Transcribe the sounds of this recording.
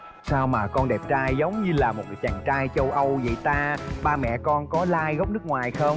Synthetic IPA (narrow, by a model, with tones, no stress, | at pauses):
saː˧wmaː˨˩kɔ˧nɗɛ˨˩p̚t͡ɕaː˧jzə˨˦wŋ͡mɲɨ˧laː˨˩mo˨˩t̚kːjt͡ɕaː˨˩ŋt͡ɕaː˧jt͡ɕə˧wʔə˧wzə̰˧˨jt̪aː˧ɓaː˧mɛ̰˧˨kɔ˧nkɔ˨˦laː˧jɣə˦˥wk͡p̚nɨ˦˥k̚ŋwaː˨˩jxə˧wŋ͡m